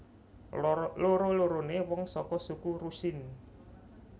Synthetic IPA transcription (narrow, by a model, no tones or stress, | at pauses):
loɾoloɾonewɔŋsɔkɔsukuɾusɪn